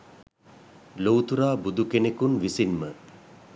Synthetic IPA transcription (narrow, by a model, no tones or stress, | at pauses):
lowt̪uɾaːbud̪ukenekunʋisinmə